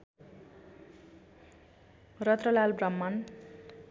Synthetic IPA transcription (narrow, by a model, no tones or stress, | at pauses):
rʌt̪rʌlalbrʌmːan